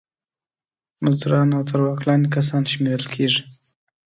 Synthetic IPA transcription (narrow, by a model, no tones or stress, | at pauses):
mazd̪uɾɑnawt̪aɾwɑklɑnikas̬ɑnʃmeɾəlkʰeʐi